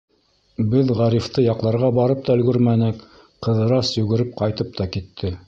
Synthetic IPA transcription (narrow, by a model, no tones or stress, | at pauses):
bɘðʁɑɾift̪ɤjɑqlˠɑɾʁɑbɑɾɤp̚t̪ɑɵ̆lɡɵɾmænɘk | qɤ̆ðɤ̆ɾɑsjɵ̆ɡɘ̆ɾɘp̚qɑjt̪ɤp̚t̪ɑkit̪ʰːɘ